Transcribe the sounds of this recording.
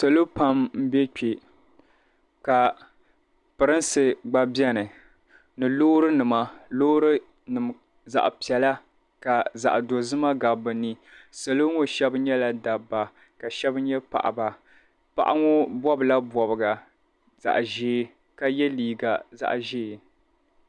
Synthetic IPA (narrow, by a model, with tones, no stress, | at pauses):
so˨lo˦pa˦mm̩˦bɛ˦k͡pe˨ | ka˨ | pɨ˨ɾɨ˦n˦sɨ˨ɡ͡ba˨bjɛ˦nɨ˨ | nɨ˨loː˦ɾɨ˦nɨ˨ma˦loː˦ɾɨ˦ | nɨ˨m˨ | za̰˨ʔpi˨ɛ˨la˦ | ka˨za̰˨ʔdo˨zɨ˦ma˦ɡa˨bɨ˨nɨ˦ | sɨ˨lo˦ŋo˨ʃɛ˦bɲɛ˦la˨da˨ba˨ | ka˨ʃɛ˦bɲɛ˦pa̰˨ʔa̰˨ba˨ | pa̰˦˨ʔa̰˦ŋʊ˦bwɔ˦bla˦bɔ˨bɨ˨ɡa˨ | z̥a̰˨ʔʒeː˦ | ka˨jɛ˦liː˨ɡa˨za̰˦˨ʔʒeː˦˨